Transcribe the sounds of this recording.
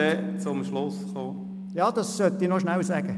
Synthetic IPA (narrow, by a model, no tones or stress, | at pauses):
ɛt͡sʊmʃlʊsχoː | jɑːd̥̪ɑsːœt̪inoʃnæwsɛːɡ̥ə